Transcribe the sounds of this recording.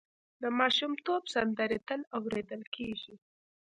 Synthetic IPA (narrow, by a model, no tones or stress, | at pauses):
d̪əmɑʃumt̪obsand̪əɾit̪əlawɾed̪əlkʰeʒi